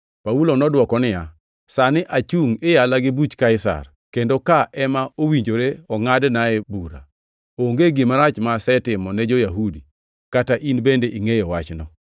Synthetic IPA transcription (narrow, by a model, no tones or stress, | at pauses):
paulonɔdwɔkɔnɪja | sanɪʔat͡ʃuŋɪjalaɡɪbut͡ʃkaɪsa̰r | kendokaʔɛmaowiɲd͡ʒoɾeɔŋadnaɛbuɾa̰ | oŋɡeɡɪmaɾat͡ʃmasɛtɪmɔned͡ʒojaɦudi | kataʔinbendeʔiŋejɔwat͡ʃnɔ